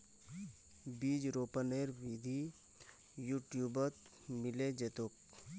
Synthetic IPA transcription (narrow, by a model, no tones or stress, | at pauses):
biːd͡ʒɾoːpəneːɾʋiːd̪ʱi | juːʈjuːbət̪ | mɪled͡ʒet̪ʊk̚